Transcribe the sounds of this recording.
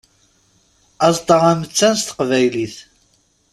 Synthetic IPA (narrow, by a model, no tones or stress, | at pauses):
ɑzˤt̪ˤəʁæmət͡sːænst̪ə̥qvæjliθ